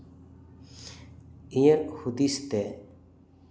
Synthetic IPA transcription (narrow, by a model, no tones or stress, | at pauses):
ĩjeɾhud̪ist̪ɛ